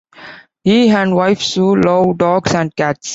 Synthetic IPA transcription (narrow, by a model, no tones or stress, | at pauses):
hiɦæ̃ɳɖʋaɪfsuloʊɖɔːɡsæ̃ɳɖkæʈs